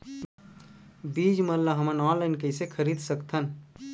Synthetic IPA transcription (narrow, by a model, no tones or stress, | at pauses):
bid͡ʒməlləɦəmənɔ̃nlaɪnkəjsekʰəɾid̪səkt̪ʰən